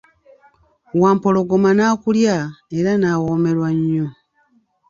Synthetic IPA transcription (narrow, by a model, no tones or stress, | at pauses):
waːmpo̞lo̞ɡomanaːkuljae̞ɾanawome̞ɾwaɲːo